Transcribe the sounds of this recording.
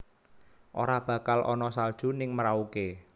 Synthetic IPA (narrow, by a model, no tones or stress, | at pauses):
ʔo̰ɾab̥a̤kalʔɔ̰nɔsald̥ʒ̥ṳnɪŋməɾauke